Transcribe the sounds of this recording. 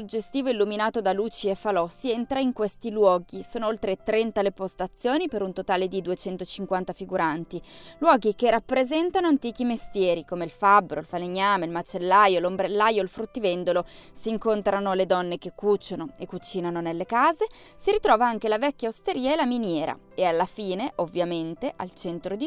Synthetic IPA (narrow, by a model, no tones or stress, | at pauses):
sud͡ʒest̪iːvoilːuminaːt̪od̪aluːt͡ʃiefalɔsient̪ɾaiŋkwest̪ilwɔːɡisoːnoolt̪ɾet̪ɾɛnt̪alepost̪at̪sːjoːnipeɾunt̪ot̪aːled̪id̪uet͡ʃɛnt̪ot͡ʃiŋkwant̪afiɡuɾant̪ilwɔːɡikerapːɾezɛnt̪anoant̪iːk̟imest̪jɛːɾikomeilfabːɾoilfaleɲːaːmeilmat͡ʃelːajolombɾelːajoilfɾut̪ːivend̪olosiːŋkont̪ɾanoled̪ɔnːek̟ekːut͡ʃːonoekːut͡ʃiːnanonelːekaːze | siɾit̪ɾɔːvaaŋkelavɛkːjaost̪eɾiːaelaminjɛːɾa̰ | ealːafiːneʔovːjament̪eʔa̰lt͡ʃɛnt̪ɾod̪i